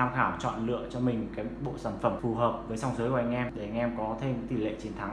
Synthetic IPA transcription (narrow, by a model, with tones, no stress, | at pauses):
aː˧mxaː˧˩wt͡ɕɔ̰˧˨nlɨ̰˧˨ət͡ɕɔ˧mï˨˩ŋ̟kaː˨˦jɓo̰˧˨saː˧˩nfə˧˩mfu˨˩ɦəː˨˩p̚vəː˨˦jsa˧wŋ͡mzəː˨˦jkːʔa˧ŋ̟ʔɛ˧mɗe˧˩a˧ŋʔɛ˧mkɔ˨˦t̪ʰe˧mɲɨ̰˧˥ŋt̪i˧˩lḛ˧˨t͡ɕi˨˦nt̪ʰa˨˦ŋ